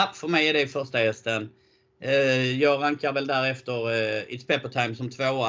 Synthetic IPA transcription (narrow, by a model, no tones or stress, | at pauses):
afœɾmɛjæɖɛɪfœɾʂʈahɛst̪ən | jɑːɡɾaŋkaɾvɛld̪æːɾɛft̪əɾɪ̰t̪spɛpːəʈ̪ʰaɪmsɔmt̪ʰvoːa